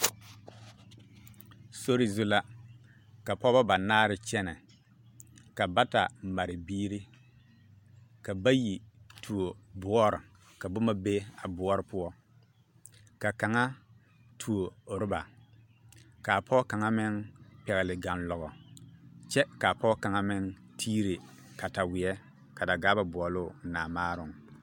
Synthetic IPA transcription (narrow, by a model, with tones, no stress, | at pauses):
so˦ɾɪ˨zʊ˦la˦ | ka˨pɔ˦ba˦ba˨naː˦ɾɪ˨t͡ʃɛ˦nɛ˨ | ka˨ba˦ta̰˨m̩˨ma˨ɾɪ˨biː˦ɾi˦ | ka˨ba˦ji˨tʰu˨o˨bʊ˨˦ɔ˦ɾɪ˨ | ka˨bʊ˦ma˦be˦a˨bʊ˨˦ɔ˦ɾɪ˨˦pʊ˦ɔ˦ | ka˨ka˨ŋa˦ | tʰu˨o˨ɾɪ˦ba˨ | ka˨pʰɔ˦ka˨ŋa˦mɪ˦ŋpɛ˨ɣɪ˨lɪ˨ɡa˨nlɔ˨ɣɔ˨ | t͡ʃɛ˦ka˨pɔ˦ka˨ŋa˦mɪ˦ŋ | tʰiː˦ɾe˨ | ka˨ta˨wɪ˨ɛ˦ | ka˨da˨ɡaː˦ba˨bʊ˨ɔ˨lʊː˦˨naː˨maː˦ɾʊ˨ŋ˨